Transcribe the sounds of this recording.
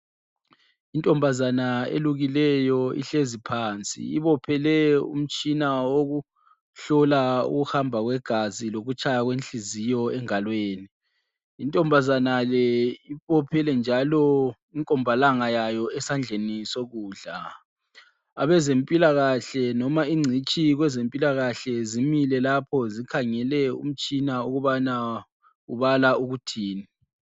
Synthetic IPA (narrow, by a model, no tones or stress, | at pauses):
intʼɔmbʱazanaḛluɣilɛjɔḭɬezipʰaːnt͡sʼḭiβɔpʰɛlɛṵm̩t͡ʃʼinaoɣu | ɬɔlaṵɣuxambʱaɣwɛɡ̥ʱaziloɣut͡ʃʰʼajaɣwent͡ɬʼizijɔɛŋalweːniː | ntʼɔmbʱazanalɛiβɔpʰɛlɛnd͡ʒʱalɔ | iŋkʼɔmbʱalaŋajajɔɛsand͡ɮʱenisoɣuːɮa | a̰βɛzempʼilaɣaɬɛnɔmaiŋ͡ǀʱit͡ʃʼiɣwɛzempʼilaɣaɬɛzimilɛlapʰɔzikʰaŋɛlɛṵm̩t͡ʃʼinauɣuβana | uβalauɣutʰiːni